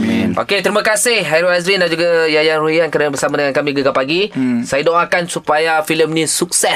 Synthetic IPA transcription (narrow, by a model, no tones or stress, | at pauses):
ʔo̰ket̪əɾimãkasɪhɦaɾoazɾindaʔd͡ʒuɡajajanɾuiankəɾənəbərsamadəŋãnkamĩɡəɡapaɡisajadɔŋakansupajafiləmnĩsuk̚sɛ